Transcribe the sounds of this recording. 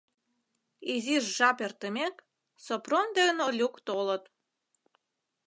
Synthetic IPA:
iziʃʒɑpert̪əmʲek | soprond̪enolʲukt̪olə̆t̪

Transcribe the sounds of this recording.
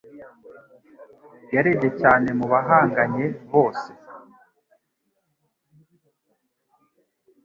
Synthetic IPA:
jaɾeɟecaːne̞muβaɦaːŋɡaɲe̞βo̞ːse̥

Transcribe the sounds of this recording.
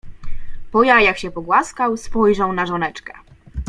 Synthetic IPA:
pɔjajakɕɛpɔɡwaskawspɔjʐɛw̃naʐɔnɛt͡ʂkɛ̥

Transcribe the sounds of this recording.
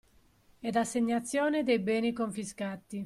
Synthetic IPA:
ɛd̪asːeɲːat̪sːjɔːned̪ejbɛːnikoɱfiskat̪ːi

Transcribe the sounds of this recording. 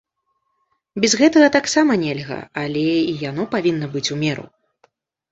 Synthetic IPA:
bʲɛzɣɛt̪ɐɣɐt̪aksamɐnʲɛlʲɣɐ̰alʲɛijan̪ɔpavʲinːɐbɨt͡sʲumʲɛɾṵ

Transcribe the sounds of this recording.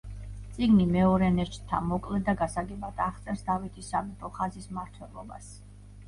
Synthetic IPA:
t̪sʼiɡnimɛɔɾɛnɛt͡ʃʰʼt̪ʰːa̰mɔkʼlɛd̪aɡasaɡɛbat̪ʰaχt̪sʼɛɾsd̪avit̪ʰisːabipʰɔχazismaɾt̪ʰwɛlˠɔba̰s

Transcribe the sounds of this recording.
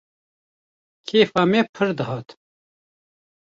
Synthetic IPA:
kʰeːfaːmeːpʰɨɾd̪ɨɦɑːt̪

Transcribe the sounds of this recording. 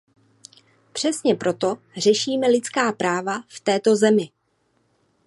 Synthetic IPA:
pr̥ɛsɲɛpɾʔo̞t̪o̞ | r̝ɛʃiːmɛlɪt͡skaːpɾaːvaft̪ɛːt̪o̞zɛmɪ

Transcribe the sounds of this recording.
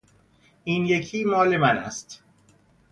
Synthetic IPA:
ʔiːnjecʰiːmɒːle̞mænæ̰st̪

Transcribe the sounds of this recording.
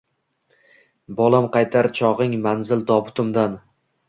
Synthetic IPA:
bɒlˠamqʰɑjt̪ʰaɾt͡ʃʰɒʁɪŋmanzɪld̪ɒbʊt̪ʰʊmd̪an

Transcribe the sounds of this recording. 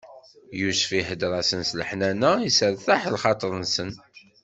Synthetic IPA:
juʃfihəd̪ɾˤɑsənsləħnænæisəɾθaħlχɑt̪ˤəɾˤənsən

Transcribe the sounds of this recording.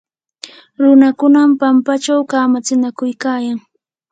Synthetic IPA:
ɾʊnakʊnampampat͡ʃawkaːmat͡sɪnakʊjkaːjaŋ

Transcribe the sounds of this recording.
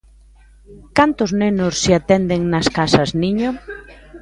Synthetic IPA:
kant̪ʊznenʊsːɪat̪ɛnd̪eŋnɐskasɐzniɲʊ

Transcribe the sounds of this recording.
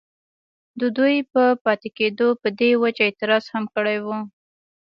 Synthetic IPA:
d̪əd̪ujpəpɑt̪ɪked̪opəd̪ewat͡ʃaɪt̪ɪɾɑz̥hamkəɽajwu

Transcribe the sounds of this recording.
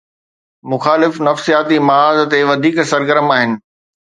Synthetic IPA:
mʊxaːlɪfnɐfsijaːt̪imɐaːzt̪eʋɐd̪ʱiːksɐɾɡəɾəmaːɦɪnɪ̆

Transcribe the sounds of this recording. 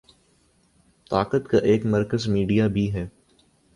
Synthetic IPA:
t̪aːqət̪kaʔeːkmɐɾkəzmiːɖijabʱiɦɛː

